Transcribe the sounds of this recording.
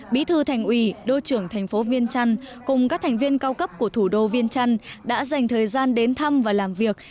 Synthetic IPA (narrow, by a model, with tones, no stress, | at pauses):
ɓḭ˨˥t̪ʰɨ˧t̪ʰa˨˩jŋ̟ʔwi˧˩ɗo˧t͡ɕɨ˧˩əŋt̪ʰɛ˨˩ŋ̟fo˨˦vi˧ənt͡ɕa˧ŋkʊ˨˩ŋ͡mkaː˦˥k̚t̪ʰa˨˩ŋ̟vi˧ənkaː˧wkə˦˥p̚ku˧˩ət̪ʰu˧˩ɗo˧vi˧ənt͡ɕa˧ŋɗa̰ː˧˥za˨˩jŋ̟t̪ʰəː˨˩jzaː˧nɗe˨˦nt̪ʰa˧mvaː˨˩laː˨˩mvi˨˩ək̚